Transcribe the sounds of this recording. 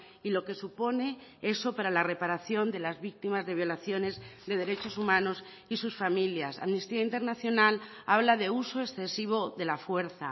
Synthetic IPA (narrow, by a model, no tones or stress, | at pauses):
ilo̞ke̞supo̞ne̞e̞so̞paɾalare̞paɾaθjo̞nd̪e̞lazβik̚t̪imazðe̞β̞jo̞laθjo̞ne̞zðe̞ð̞e̞ɾe̞t͡ʃo̞sumãno̞s | isusfamiljasa̰mnist̪iaint̪e̞ɾnaθjo̞nal | aβ̞laðe̞uso̞esθe̞siβ̞o̞ðe̞lafwe̞ɾθa